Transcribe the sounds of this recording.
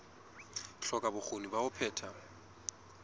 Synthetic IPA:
ɬɔkʼabʊk͡xonibaʊpʰɛːtʰa

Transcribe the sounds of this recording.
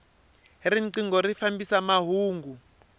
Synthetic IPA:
riǀiŋɡɔrifambisamaɦuːŋɡu

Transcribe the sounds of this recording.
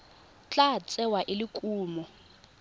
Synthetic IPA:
t͡ɬʼat͡sʼɛwaʔɪlikʼuːmɔ

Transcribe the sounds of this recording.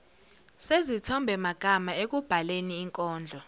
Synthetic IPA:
sezitʰɔmbʱɛmaɡ̥ʱamaek̬ub̥ʱaleniːŋkʼɔːnd͡ɮʱɔ

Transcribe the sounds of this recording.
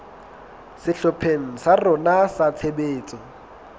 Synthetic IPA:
sɪɬʊpʰeŋ̩sarʊnasat͡sʰebeːt͡sʼɔ

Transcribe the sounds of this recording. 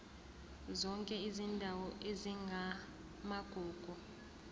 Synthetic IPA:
zɔŋkʼɛizindʱawɔʔeziŋɡʱa | maɡ̥ʱuːɡ̥ʱu

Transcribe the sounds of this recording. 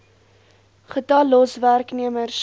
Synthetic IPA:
χətɐlːɔsværkniəmərs

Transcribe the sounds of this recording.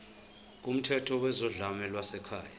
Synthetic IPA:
k̬ʼum̩tʰɛtʰɔwɛzɔɮamɛlwasɛkʰa̰ːja

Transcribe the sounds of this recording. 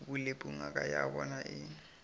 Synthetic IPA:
bulepʼuŋ̩akʼajabɔnaʔɪːŋ̩

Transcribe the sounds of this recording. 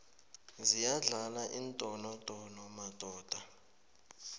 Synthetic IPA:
zijaɮalaʔintʼɔnɔtʼɔnɔmad̥ʱɔːd̥ʱa

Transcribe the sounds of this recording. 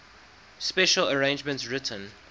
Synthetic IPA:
spɛʃələɹẽɪ̃nd͡ʒmə̃ntsɹɪtʰə̃n

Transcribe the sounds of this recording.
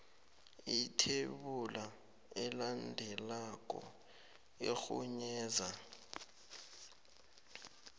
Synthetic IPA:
itʰeɓula | ɛlandʱɛlak̬ʼɔ̰ | exuɲɛːza

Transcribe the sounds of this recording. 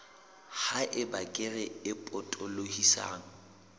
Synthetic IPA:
haʔɪbakʼɪrɛɪpʼɔtʼɔlohisa̰ːŋ̩

